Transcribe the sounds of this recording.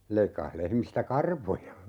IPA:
leikːɑh lehmistæ kɑrʋojɑ

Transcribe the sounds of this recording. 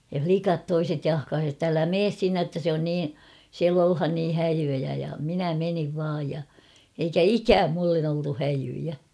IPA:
jɑ flikɑt toiset jɑhkɑːsi ĕtː ælæ meːs sinːe tːæ se on niː siæl olhɑn niː hæjyjæ jɑ minæ meniʋ ʋɑːj jɑ eikæ ikæːm mulːen oltu hæjyjæ

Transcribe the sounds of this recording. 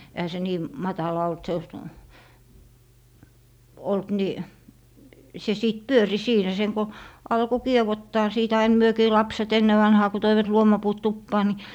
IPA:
ehæ se niː mɑtɑlɑ olt se olt ni se siˑt pyøri siːnæ seŋ ko ɑlko kiewotːɑː siːt ɑin myøkiː lɑpset enːe ʋɑnhɑː ku toiʋɑt luomɑpuːt tupːɑː ni

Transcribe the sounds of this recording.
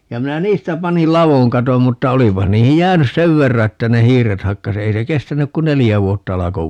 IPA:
jɑ minæ niːstæ pɑnil lɑʋoŋ kɑtom mutːɑ olipɑh niːhij jæːnys seʋ ʋerːɑ etːæ ne hiːret hɑkːɑs ei se kestænyk ku nelijæ ʋuotːɑ ɑlɑko

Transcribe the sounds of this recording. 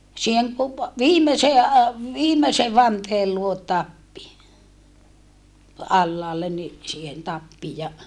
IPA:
siːheŋ ku ʋiːmeseː ɑ ʋiːmese ʋɑnteːl luot tɑpːi ɑlːɑːlːen ni siːhen tɑpːi jɑ

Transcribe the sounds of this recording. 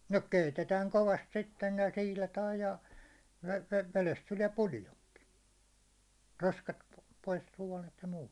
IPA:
no keitetæːŋ koʋɑst sitːen jɑ siːlɑtɑːj jɑ ʋe ʋelest tuliɛ puljoŋki roskɑt p pois suɒnet jɑ muːt

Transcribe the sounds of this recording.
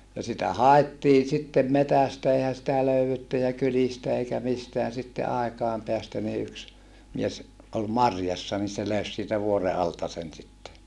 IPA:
jɑ sitæ hɑetːiː sitːem metæstæ eihæ sitæ løyetːy jɑ kylistæ eikæ misteæn sitːe ɑekɑˑem peæstæ ni yks mies ʔol mɑrjɑsːɑ ni se løys siːtæ ʋuore ɑltɑ sen sitːe

